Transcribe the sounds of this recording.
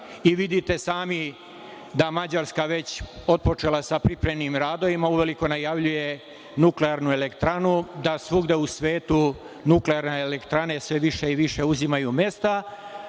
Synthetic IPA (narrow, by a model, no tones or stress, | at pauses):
iʋid̪it̪e̞saːmi | d̪amad͡ʑaɾskaʋe̞t͡ɕo̞t̪̚po̞t͡ʃeːlasapɾipɾemnimɾaːd̪o̞ʋimauʋe̞liko̞najaʋʎuje | nukleaɾnue̞le̞kt̪ɾanud̪asʋuɡd̪eusʋe̞ːt̪u | nukleaɾneːlekt̪ɾane̞sʋe̞ʋiʃe̞iʋiʃe̞uzimajume̞st̪a